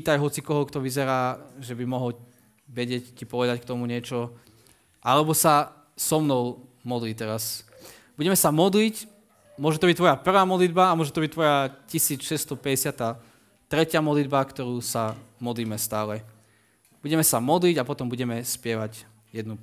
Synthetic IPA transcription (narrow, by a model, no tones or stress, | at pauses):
t̪ajɦɔt͡sikɔɦɔkt̪ɔʋizɛɾaːʒɛbimɔɦɔl | ʋɛɟɪɛccipɔʋɛd̪ackt̪ɔmuɲɪɛt͡ʃɔ | ʔalɛbɔsa | sɔmnɔʊmɔd̪liːt̪ɛɾas | b̥uɟɛmɛsamɔd̪lic | mʊɔʒɛt̪ɔbict̪ʋɔjapr̩ʋaːmɔd̪lid̪baamʊɔʒɛt̪ɔbic̚t̪ʋɔjacisiːt͡sʃɛst̪ɔpɛɟɛsɪat̪aː | t̪ɾɛcɪamɔd̪lid̪bakt̪ɔɾuːsamɔd̪liːmɛst̪aːlɛ | b̥uɟɛmɛsamɔd̪liɟapɔt̪ɔmbuɟɛmɛspɪɛʋaɟ | jɛd̪nu